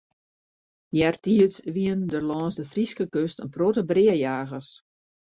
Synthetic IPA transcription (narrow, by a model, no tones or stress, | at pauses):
jɛrtiəsʋiəndərlɔːnsdəfriskəkøstənprotəbrɪəjaːɣəs